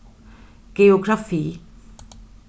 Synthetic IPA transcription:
ɡ̥eoɡɾafi

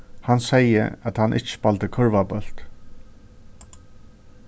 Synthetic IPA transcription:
hansɛjə̰at̪hanʔɪ̰t͡ʃɪ̥palt̪əkʰœɹvabœl̥t̪

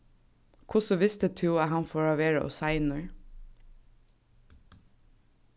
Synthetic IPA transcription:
kʰʊsəʋɪst̪ət̪ʰʉːæhɑnfɔɹɑːʋeːɹə̰ʔo̰ːsɑɪnəɹ

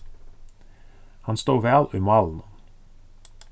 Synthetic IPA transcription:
hɑnst̪oːʋæːlʉːmɑːln̩ə

